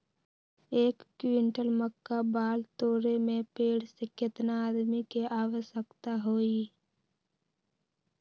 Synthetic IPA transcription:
eːkːʋɪɳʈəlməkːabaːlt̪oːɾemẽpeːɽsekɪt̪naːd̪mikeʔaːʋəsəkt̪aɦoːiː

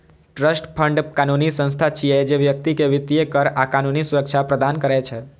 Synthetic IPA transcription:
ʈɾəsʈpʰəɳɖkanunisə̃nst̪ʰat͡ʃied͡ʒeʋjək̚t̪ikeʋɪt̪iekəɾakanunisuɾəkʃʰapɾəd̪ankəɾet͡ʃʰe

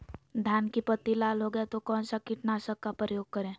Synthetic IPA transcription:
d̪ʱjaːnkipət̪ːilaːlɦoɡəet̪okɔ̃ːnsakɪʈnaːsəkːapɾəjoːɡ̚kəɾẽː

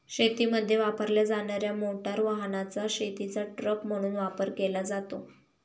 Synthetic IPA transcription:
ɕet̪iməd̪ʱːjeʋapəɾljad͡zaɳaɾjamoʈaɾʋaɦnat͡saɕet̪it͡saʈɾəkm̤əɽ̃uːnʋapəɾkelad͡zat̪o

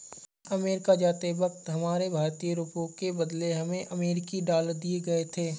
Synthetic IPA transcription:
ɐmeːɾɪkad͡ʒaːt̪eʋɐk̚t̪ɦɐmaːɾebʱaːɾt̪ijəɾuːpõkebɐd̪leɦɐmẽʔɐmeːɾɪkiɖaːld̪ieɡɐet̪ʰeː

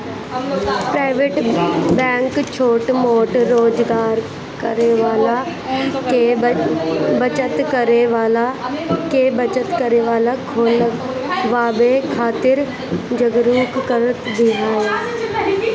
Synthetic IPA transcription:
pɾaːɪʋeːʈbɛ̃ːŋkt͡ʃʰoːʈmoːʈɾoːd͡ʒɡaːɾ | kəɾeʋaːla | ke | bət͡ʃət̪kəɾeʋaːlakebət͡ʃət̪kəɾeʋaːlakʰoːl | ʋaːbekʰaːt̪ɪɾ | d͡ʒəɡɾuːkːəɾət̪b̪ɪɦaːjaː

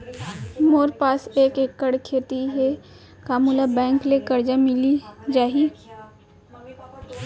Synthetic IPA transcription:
moːɾpaːseːkeːkːəɽkʰeːt̪iɦe | kaːmulabɛ̃ːŋklekəɾd͡ʒamɪlid͡ʒaːɦi

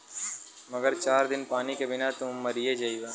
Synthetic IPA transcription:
mɐɡəɾt͡ʃaːɾd̪ɪnpaːnikebɪnat̪ʊmːɐɾied͡ʒɐiʋaː

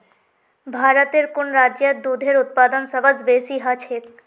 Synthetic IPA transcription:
bʱaɾot̪eɾkonɾaad̪ud̪ʱeɾut̪̚pad̪onsəbad͡ʑbesiɦat͡ɕʰe

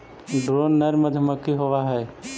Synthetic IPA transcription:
ɖɾoːnːəɾməd̪ʱməkːiɦoʋaɦɛː

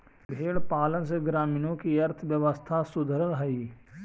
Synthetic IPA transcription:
bʱeːɽpaːləns̬eɡɾaːmiːnõkiɐɾt̪ʰəʋjəʋəst̪ʰasʊd̪ʱəɾəlɦɐiː

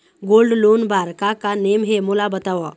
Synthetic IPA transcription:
ɡolɖlonbaɾkakanemɦemolabət̪aʋa

